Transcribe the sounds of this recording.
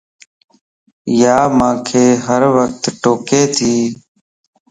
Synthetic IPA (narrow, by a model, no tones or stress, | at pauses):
jaːmãːkʰeːɦəɾʋək̚t̪ʈoːkeːt̪ʰiː